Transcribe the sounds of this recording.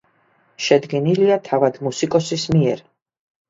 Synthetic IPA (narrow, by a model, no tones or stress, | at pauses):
ʃɛd̪ɡɛniliat̪ʰavad̪musikʼɔsismiɛɾ